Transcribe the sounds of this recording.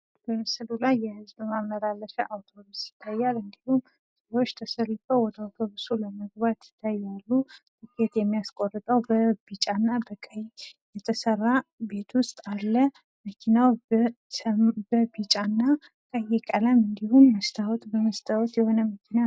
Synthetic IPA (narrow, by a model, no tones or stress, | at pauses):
bəməsəlulajːɛhɨzbəmamnəɾalːəʃɛʔawt̪ʰobusjɪ̥t̪ʰːajːalɨnd̪ihum | səwot͡ʃːt̪ʰəsəlːɨfəwɔd̪awt̪ʰoβɨsuləməɡ̚bat̪ɪ̥t̪ʰːajalːut̪ɨkʰet̪jɛmːijaskʼorːɨt̪ʼəwbəbit͡ʃʼanːabəkʼəjjɛt̪ʰəsərːabe̞t̪ʰwʊst̪ʼalːə | məkʰinaw | bəbit͡ʃʼanːa | kʼəjɛkʼələmɨnd̪ihumːəst̪ʰawɔt̪ʼbəməst̪ʰawɔt̪jɛho̞nəməkʰina